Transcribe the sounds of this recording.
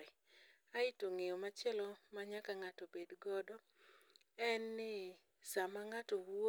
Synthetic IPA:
aɪtoŋejɔmat͡ʃjɛlɔmaɲakaŋatɔbedɡɔdɔ | ɛnːɪ | samaŋatowo

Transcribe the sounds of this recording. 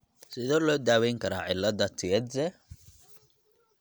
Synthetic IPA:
sɪðɔːlɔːd̪aːwɛjŋkʰɐɾaːʕɪlːɐðɐt̪ʰɪɛd̪zɛ

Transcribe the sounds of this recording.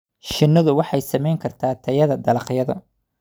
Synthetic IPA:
ʃɪnːɐðʊwɑħɑjsɐmɛjŋkʰɐrt̪ʰaːt̪ʰɐjɐðɐd̪ɐlɑqjɐðɐ

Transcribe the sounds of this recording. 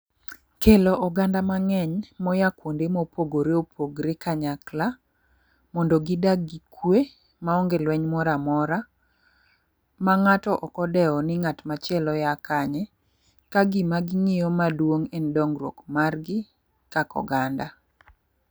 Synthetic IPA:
keloʔɔɡandamaŋɛɲmɔjakwondemopoɡoɾeopʰoɡɾekaɲakla | mɔndɔɡɪdaɡikwe | maɔŋɡelwɛɲmɔɾamɔɾa | maŋatɔʔɔkɔdɛɔnɪŋatmat͡ʃɪɛlɔjakaɲɛ | kaɡɪmaɡɪŋɪjɔmadwoŋendɔŋɡɾo̰kmarɡɪ | kakɔ̰ɡanda

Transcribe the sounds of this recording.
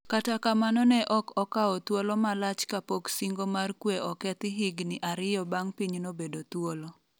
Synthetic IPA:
katakamanɔnɛʔɔkɔkaɔt̪wolɔmalat͡ʃkapoksiŋɡomarkweɔkɛt̪ɪɦɪɡnɪʔaɾɪjɔbaŋpiɲnobedot̪wolo

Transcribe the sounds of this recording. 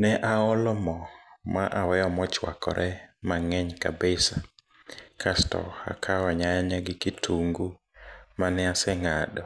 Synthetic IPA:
nɛʔaɔlɔmɔmaʔawɛjɔmɔt͡ʃwa̰kɔ̰ɾʔɛmaŋɛɲka̰bɪsa | kʰastɔ̰a̰kʰaɔɲajaɲaɡɪkitʰuŋɡu | manɛasɛŋadɔ

